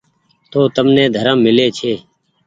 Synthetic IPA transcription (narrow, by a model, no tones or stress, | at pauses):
t̪oːt̪əmnẽːd̪ʱəɾəmːɪleːt͡ʃʰeː